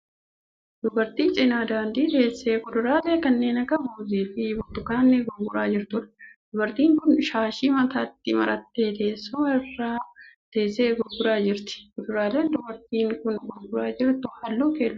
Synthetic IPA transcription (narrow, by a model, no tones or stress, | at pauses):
d̪ʊbɐɾt̪iːt͡ʃʼɪnaːd̪aːnd̪iːt̪e̞ːsːeːkʊd̪ʊɾaːle̞ːkɐnːe̞ːnɐɡɐbuːziːfɪbɔt̪ʊkaːnːeɡɔɾɡʊɾaːd͡ʒɪɾt̪ʊᶑɐ̥d̪̥ʊbɐɾt̪iːŋkʊnʃaːʃiːmɐt̪at̪ːɪmɐ̰ɾɐt̪ːeːt̪e̞ːsːʊɛrːaːt̪e̞ːsːeːɡɔɾɡʊɾaːd͡ʒɪɾt̪ɪ̥kʊd̪ʊɾaːleːnd̪ʊbɐɾt̪iːŋkʊnɡɔɾɡʊɾaːd͡ʒɪɾt̪ʊhaːlːuːkeːlː